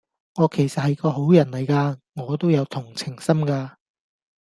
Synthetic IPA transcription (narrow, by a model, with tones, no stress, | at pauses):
ŋɔː˨˧kʰe˨˩jsɐ˨t̚hɐ˨jkɔː˧ɦo˨˥wjɐ˨˩nlɐ˨˩jkaː˧ŋɔː˨˧t̪o˥wjɐ˨˧wt̪ʰʊ˨˩ŋt͡sʰɪ˨˩ŋsɐ˥mkaː˧